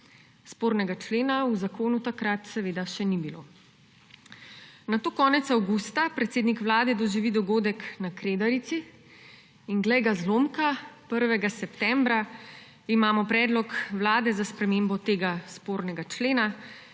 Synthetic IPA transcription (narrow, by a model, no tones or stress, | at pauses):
spoːɾnɛɡat͡ʃleːnauzakoːnut̪akɾat̪sɛʋeːd̪aʃɛnibilo̰ | nat̪oːkɔːnɛt̪sawɡust̪apɾɛt̪seːd̪nikʋlaːd̪ɛd̪ɔʒiʋid̪ɔɡoːd̪ɛknakɾeːd̪aɾit̪si | inɡlɛjɡazloːmkapəɾʋɛɡasɛpt̪ɛmbɾa | imaːmɔpɾɛːd̪lɔkʋlaːd̪ɛzaspɾɛmeːmbɔt̪eːɡaspoːɾnɛɡat͡ʃleːna